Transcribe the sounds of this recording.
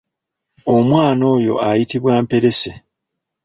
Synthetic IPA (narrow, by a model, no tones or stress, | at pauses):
o̞mwaːno̞ːjo̞̰ajitiβwaːmpe̞ɾe̞se